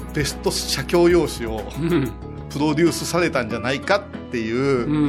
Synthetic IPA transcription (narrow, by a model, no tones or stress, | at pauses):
t̪e̞sɨ̥t̪o̞ɕakʲo̞ːjo̞ːɕio̞ | pɯ̟ɾo̞d̪ʲɨːsɨsaɾe̞t̪ãɲd͡ʑanaikat̪ːe̞jɯ̟ː